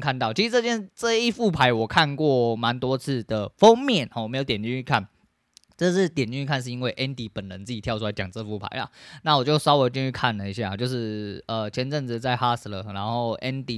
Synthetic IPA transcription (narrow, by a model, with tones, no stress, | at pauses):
kʰa˥˧nt̪ɑ˥˩ʊt͡ɕʰi˧ʂɻ̩˧˥t͡sɤ˥˧˩t͡ɕjɛ˥nʈ͡ʂə˥˧i˥˩fu˥˩pʰa˧˥ɪwɔ˨˩kʰa˥˧nkwɔ˥˩ma˧˦˥nt̪wɔ˥t͡sʰɹ̩˥˩d̪ə˩fo˥ŋmjɛ˥˨nɔ˨˩˨me˧˥jo˧˦t̪jɛ˨˩nt̪i˥˧˩y˥˩kʰa˥˩n | ʈ͡ʂɤ˥˧ʂɻ̩˥˩t̪jɛ˨˩nt͡ɕ̪i˥˧nʰy˥˧kʰa˥˧nʂ̬ɻ̩˥˩i˥nwe˥˩ɪʔɛ˦˥nt̪i˧˥˩pə˨˩nɻə˧˦nt͡s̩˥˩t͡ɕi˨˩jɑ˥˧ʊ˥a˧ɪt͡ɕɑ˨˩ŋt͡sə˥˧˦fu˥˩pʰa̰˧˥ɪlɐ̰˩na˥˩wɔ˨˩t͡ɕjo˥˩ʊsaɑ˥ʊwe˧˥ɪt͡ɕ̪i˥˧t͡ɕʰy˥˧kʰa˥˩nlə˩i˥ɕ̬ja˥˩a˨˩t͡ɕjo˥˧ʊʂɻ̩˥˩ə˨˩t͡ɕʰjɛ˧˥nʈ͡ʂə˥˩ŋt͡sɻ̩˨˧t͡sa˥˩ɪxa˥s̩˨˥lə̰˧˩na˧˥nxo˥˩ʊʔɛ˦˥nt̪i˨